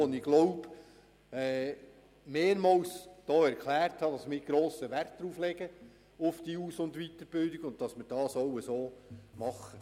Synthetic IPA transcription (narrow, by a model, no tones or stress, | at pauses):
ɔnɪɡlɔʊb | ɛː | meːɾmɑwsd̥oːæɾkʰlæːrthɑdɑsmɪɡ̥ɾoːsəʋærtd̥ɾuːflɛɡə | ʊfd̥iuːsʊnd̪ʋit̪əɾb̥ɪldɪɡʊnt̚tɑsməɾd̥ɑːsowəsoːmɑχːə